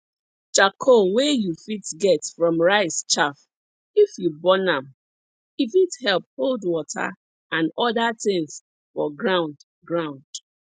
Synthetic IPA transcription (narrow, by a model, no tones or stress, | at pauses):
t͡ʃakʰowejufitɡɛtfɹɔ̃mɹaɪst͡ʃaf | ifjubɔnãm | ifithɛlp̚holdwɔtʰa̰ | ãnɔdatɪ̃ŋs | fɔɡɹãʊ̃nd | ɡɹãʊ̃nd̥